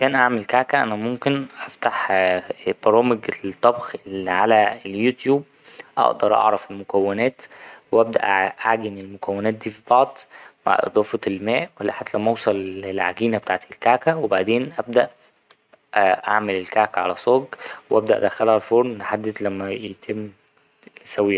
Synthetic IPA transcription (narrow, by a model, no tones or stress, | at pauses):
kæːnʔaʕmelkaʕkæʔænæmomkenʔæft̪aħ | b̥oɾˤɑːmeɡlt̪ˤːɑbxelːiʕalæeljut̪juːb̚ | ʔɑ̰ʔd̪ɑɾˤʔɑ̰ʕɾˤɑfelmokæwːenæːt̪weʔæb̚d̪æ̰ʔʔʔaʕɡenelmokæwːenæːt̪̚d̪iːfib̥ɑʕd̪ˤma̰ʕʔḛd̪ˤɑːfeelmæːʔwelʔæħat̪ːlæmːʔɑwsˤɑlelʕa̰ɡiːnæbet̪aːʕt̪elkaʕkæwebaʕd̪eːnʔæb̚d̪æʔ | ʔaʕmelelkaʕkæʕalæsˤoːɡweʔæb̚d̪æʔd̪æxːælʕalæfoːɾnleħad̪ːed̪læmːæjet̪ʰemː | sæwːij